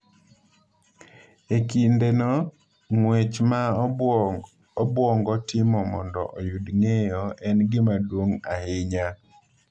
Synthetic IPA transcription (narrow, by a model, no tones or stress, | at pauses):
ekindenɔ | ŋwet͡ʃma | ɔbwɔŋɡɔtɪmɔmɔndɔ̰ʔɔjʊdŋejɔɛnɡɪmadwoŋa̰hɪɲa